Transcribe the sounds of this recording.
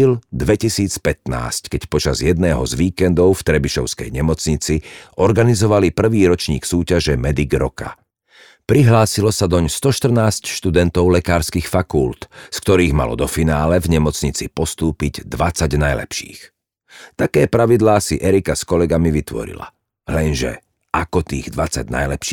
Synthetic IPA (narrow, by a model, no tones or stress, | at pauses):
ild̪ʋɛcisiːt͡spɛt̪na̰ːsckɛcpɔt͡ʃazjɛd̪̚nɛːɦɔ̰zʋiːkɛnd̪ɔʊft̪ɾɛbiʃɔʊskɛ̰jɲɛmɔt͡sɲit͡siʔɔɾɡanizɔʋalipr̩ʋiːɾɔt͡ʃɲḭːksuːcaʒɛmɛd̪iɡɾɔka̰ | pɾiɦlaːsilɔsad̪ɔɲst̪ɔʃt̪r̩naːscʃt̪ud̪ɛnt̪ɔʊlɛkaːɾskixfakult̪skt̪ɔɾiːɣma̰lɔ̰d̪ɔfinaːlɛvɲɛmɔt͡sɲit͡sḭpɔst̪uːpiɟd̪ʋat͡saɟnajlɛ̰pʃḭːx | t̪akɛːpɾaʋid̪laːsiʔɛɾikaskɔlɛɡamiʋit̪ʋɔ̰ɾḭla̰ | lɛnʒɛ̰ | ʔakɔt̪ḭːɣd̪ʋat͡sa̰ɟna̰jlɛpʃiː